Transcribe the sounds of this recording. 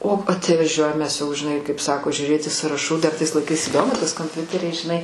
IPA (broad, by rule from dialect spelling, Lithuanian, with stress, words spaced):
oː ɐtʲʋɐˈʒʲuɔjɛm ˈmʲɛs jɛʊ ʒʲɪˈnɐɪ kɐɪp ˈsɑːkoː ʒʲʊˈrʲeːtʲɪ sɑːrɐˈʃuː dɐr ˈtɐɪs lˠɐɪˈkɐɪs iːˈdoːmʊ tɐs koːmʲˈpʲʊtʲɛrʲɛɪ ʒʲɪˈnɐɪ